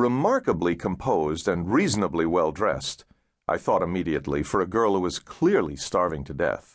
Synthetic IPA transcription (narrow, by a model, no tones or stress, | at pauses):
ɹɨmɑɹkəblikʰə̃mpʰoʊzdɨ̃nɹiznəbliwɛlˠdɹɛ̰st | ʔa̰ɪθɔɾɨmiɾiɨtˡlifə˞ɨɡɜ˞lˠhuwʌz̥kʰl̥ɪɹlḭstɑɹvɪ̃ŋtʰɨdɛ̰θ